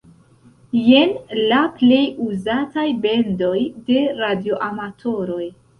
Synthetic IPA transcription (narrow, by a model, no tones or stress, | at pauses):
je̞nlaple̞juzatajbe̞ndo̞jde̞ɾadio̞ʔamatʰo̞ɾo̞j